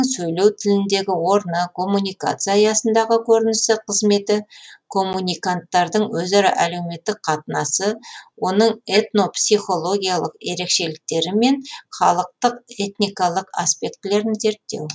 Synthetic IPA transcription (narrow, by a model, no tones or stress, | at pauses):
ɴsɵjle̞wt̪ʰɪlɪnd̪e̞ɡʲɪwo̞ɾnəkʰo̞mːunʲijka̰t̪sɨjajɑsənd̪ɑʁəkʲʰɵɾɪnɪst̪ɪqʰəzme̞t̪ɪkʰo̞mːunʲijkant̪ːɑɾd̪əɴwɵzɑɾɑ̰ʔæle̞wme̞t̪ːɪk̚qʰɑt̪ənɑsəwo̞nəɴe̞t̪no̞psʲiχo̞lˠo̞ɡʲijalˠəqe̞ɾe̞kʃe̞lɪk̚t̪e̞ɾɪme̞nχɑlˠəq̚t̪əqe̞t̪nijkɑlˠəqa̰spe̞kt̪ɪle̞ɾɪnze̞ɾt̪ːe̞̰w